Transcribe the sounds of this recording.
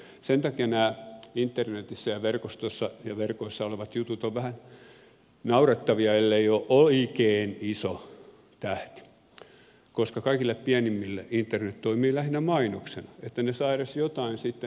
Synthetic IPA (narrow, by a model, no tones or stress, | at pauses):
sent̪ɑkiɑnæːint̪ːernet̪isːæjɑʋerkost̪osːɑjɑʋerkoisːɑoleʋɑt̪jut̪ut̪oʋʋæhæn | nɑurɑt̪ːɑʋiɑelːeioʔʔoikeːniso | t̪æht̪i̥ | koskɑkɑikilːeppiænimːilːeint̪ːernet̪t̪oimiːlæhinæmɑinoksenɑet̪ːænesɑiresjot̪ɑinsit̪ːe